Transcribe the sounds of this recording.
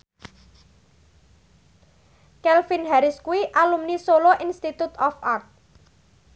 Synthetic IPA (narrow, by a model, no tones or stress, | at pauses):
kɛlfinɦaɾɪskuiʔalumnisoloʔinst̪it̪ut̪ɔfart̪̚